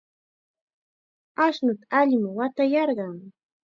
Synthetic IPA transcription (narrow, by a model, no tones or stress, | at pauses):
aʃnʊt̪aaʎɪmɪwat̪ajɑɾɢɑŋ